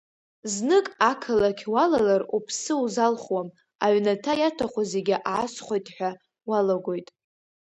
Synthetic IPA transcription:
znɨkʼakʰalakʲʰwalalarupʰsɨuzalχwam | aʕnatʰajatʰaχʷazeɡʲɪʔaːsχʷojtʼħʷᶣa | walaɡʷo̞jtʼ

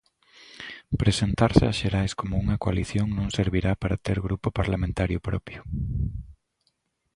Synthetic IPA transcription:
pɾesent̪aɾsɪaʃeɾajskomʊuŋɐkoa̰liθjoŋnõŋseɾβiɾapaɾat̪eɾɣɾupʊpaɾlamẽnt̪aɾjʊpɾɔ̰pjʊ

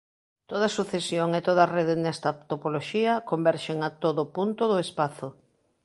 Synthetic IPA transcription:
t̪oð̞ɐsuθesjoŋet̪oð̞areð̞enɛst̪ɐt̪opoloʃiɐkombɛɾʃeŋat̪oðopunt̪oðʊespaθo

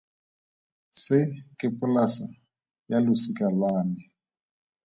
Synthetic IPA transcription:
sɪkʼɪpʼʊlasa | jalʊsikʼalwaːnɛ

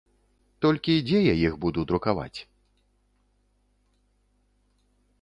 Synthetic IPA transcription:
t̪ɔlʲkʲid͡zʲɛjajixbud̪ud̪ɾukava̰t͡sʲ

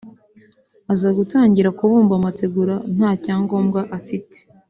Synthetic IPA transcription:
azaɡutaːɲɟiɾakuβuːmbamate̞ɡuɾan̥haːcaːŋɡo̞mɡaʔafite̥

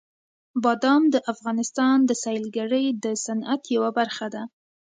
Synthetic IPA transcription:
bɑd̪ɑmd̪əʔafɣɑnɪst̪ɑnd̪əsɑjlɡaɾəjd̪əsanat̪jawabaɾxad̪a

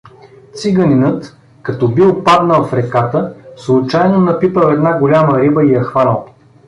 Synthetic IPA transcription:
t̪siɡəninət̪ | kɐt̪ɔbilˠpad̪nəlˠfɾɛkat̪əslˠʊt͡ʃajnonɐpipəɛd̪naɡolʲaməɾibəijɐxvanəlˠ

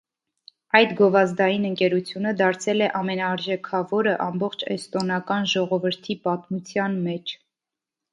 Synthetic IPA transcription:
ɑjt̪ɡɔvɑzd̪ɑjinəŋkɛɾut͡sʰjunəd̪ɑɾt͡sʰɛlɛʔɑmɛnɑːɾʒɛkʰɑvɔɾəʔɑmbɔχt͡ʃʰɛst̪ɔnɑkɑnʒɔʁɔvəɾt̪ʰipɑt̪mut͡sʰjɑnmɛt͡ʃʰ

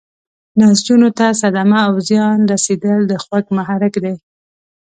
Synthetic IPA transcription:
nasd͡ʒunot̪as̬ad̪amaːwzjɑnɾased̪əld̪əxwakmaɦaɾɪkd̪ej

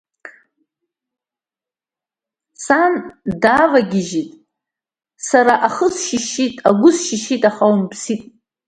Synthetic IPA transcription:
sandavaɡʲɪʒitʼ | saɾaʔaχəsʃiʃitʼaɡʷʊsʃiʃitʼaχawmbsitʼ

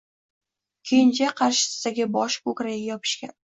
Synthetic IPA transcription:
kʲʰejɪnt͡ʃʰaqʰɑɾʃɪ̥sɪ̥d̪aɡʲɪbɒʃkokɾajajɒpʰɪ̥ʃkʲan

